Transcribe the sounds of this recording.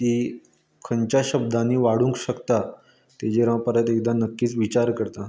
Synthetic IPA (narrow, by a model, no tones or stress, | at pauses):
t̪i | kʰəɲt͡ɕjaɕəbd̪ʱãnːiːʋaɽ̤ũŋkɕəkt̪a | t̪ed͡ʑeɾãpaɾat̪ek̚d̪anəkːiːt͡sʋit͡ɕaɾkəɾt̪a